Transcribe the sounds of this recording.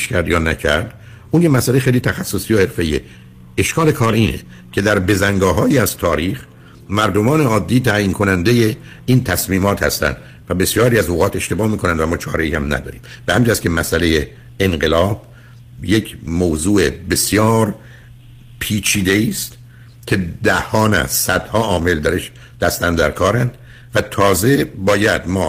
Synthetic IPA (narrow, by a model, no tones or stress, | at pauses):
ʃkʰæɾd̪jɒːnæcʰæɾd̪ | uːnjemæsæleexejlit̪ʰæxæsːosiːjohe̞ɾfeiːḛ | eʃkʰɒːle̞kʰɒːɾiːnʔḛ | cʰe̞d̪æɾbe̞zæŋɡɒːɦɒːjiːæzt̪ʰɒːɾiːχ | mæɾd̪o̞mɒːneɒːd̪ːiːt̪ʰæjiːnkʰo̞nænd̪e̞je | iːnt̪ʰæsmiːmɒːt̪hæ̰st̪æ̰nd̪̥ | væbe̞sjɒːɾiːæzoːɣɒːt̪e̞ʃt̪e̞bɒːhmiːkʰonænd̪væmɒːt͡ʃʰɒːɾeiːhæmnæ̰d̪ɒ̰ːɾḭːmb̥ehæmd͡ʒʰæskʰʲe̞mæsælejeː | nɢe̞lɒːb̥̚ | jecʰmoːzuːʔebe̞sjɒːɾ | pʰiːt͡ʃʰiːd̪e̞iːst̪ | kʲʰe̞d̪æhɒːnæ̰zsæd̪̥hɒːʔɒːme̞ld̪æɾeʃ | d̪̥æst̪ænd̪d̪æɾkʰɒːɾænd̪̥ | væt̪ʰɒːze̞bɒːjæd̪mɒː